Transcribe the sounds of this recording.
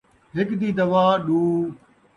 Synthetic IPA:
ɦɪkd̪iːd̪ɐʋaːɗuː

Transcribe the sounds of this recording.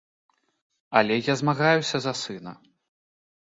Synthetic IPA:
ɐlʲɛjazmaɣajusʲɐzɐsɨnɐ̰

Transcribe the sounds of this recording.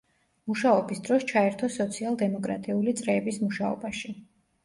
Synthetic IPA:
muʃaɔbisd̪ɾɔst͡ʃʰaɛɾt̪ʰɔsɔt̪sʰialˠd̪ɛmɔkʼɾa̰t̪ʼiulit̪sʼɾɛːbismuʃaɔ̰baʃi

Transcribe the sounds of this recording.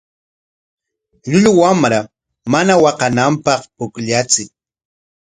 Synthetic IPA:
ʎʊʎʊwamɾa | manawɑqɑnampɑχpʊkʎat͡sɪk

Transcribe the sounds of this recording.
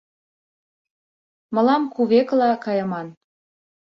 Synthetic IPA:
mɤ̆lɑmkuβeklɑkɑjɤ̆mɑn

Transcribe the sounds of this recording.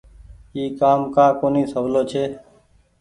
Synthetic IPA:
iːkaːmkãːkoːniːsəʋloːt͡ʃʰeː

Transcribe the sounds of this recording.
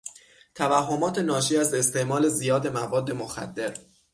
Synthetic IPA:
t̪ʰævæɦːomɒːt̪ʰe̞nɒːʃiːæze̞st̪e̞ʔmɒːle̞zijɒːd̪e̞mævɒːd̪ːe̞moxæ̰d̪ːe̞ɾ

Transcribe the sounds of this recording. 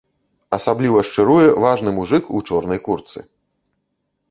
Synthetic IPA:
ɐsablʲivɐʂt͡ʂɨɾujɛvaʐnɨmuʐɨkut͡ʂɔrnɐjkurt̪sɨ̰

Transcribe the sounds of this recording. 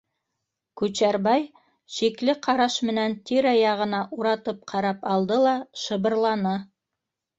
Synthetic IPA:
kʉt͡ʃæɾbɑj | ʃiklɘqʰɑɾɑʃmɘ̆nænt̪ʰiɾɑjɑʁɤ̆nɑʔuɾɑt̪ɤp̚qʰɑɾɑpɑlˠd̪ɤlˠɑʃɤ̆βɤ̆ɾlˠɑnɤ

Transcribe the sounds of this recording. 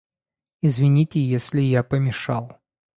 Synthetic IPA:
izvʲɪnʲitʲɪjesʲlʲɪjapəmʲɪʂalˠ

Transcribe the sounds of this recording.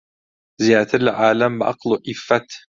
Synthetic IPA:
zijaːt̪ʰɨɾlʕaːlɐmbʔa̰qluːʔifːɐt̪ʰ

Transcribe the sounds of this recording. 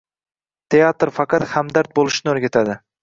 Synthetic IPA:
t̪ʰe̞at̪ɾfɑqɑt̪hamd̪aɾt̪̚bolˠɪʃnɪɵɾɡʲat̪ʰad̪ɪ

